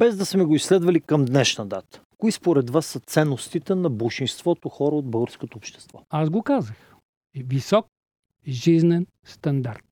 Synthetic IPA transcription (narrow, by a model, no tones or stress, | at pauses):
b̥ɛzd̪ɐsmɛɡoislɛd̪vɐlikɐmd̪nɛʃnɐd̪at̪ə̥koispoɾɛd̪vasːɐt̪sɛnːost̪it̪ɛnɐbəlˠʃinst̪vɔt̪oxɔɾəod̪̚bɤlˠɡəɾskot̪oːpʃt̪ɛ̥st̪vɔazɡokazəx | visɔk̚ | ʒiznɛn | st̪ɐnd̪aɾt̪